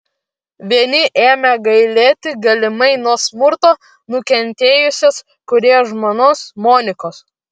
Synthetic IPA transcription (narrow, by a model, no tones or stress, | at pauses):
ʋʲiɛnʲɪʔeːmʲɛɡɐɪlʲeːt̪ʲɪɡɐlʲɪmɐɪnuɔsmʊɾt̪oː | nʊkʲɛnʲt̪ʲeːjʊsʲos | kʊɾʲeːʒmoːnoːsmoːnʲɪkoːs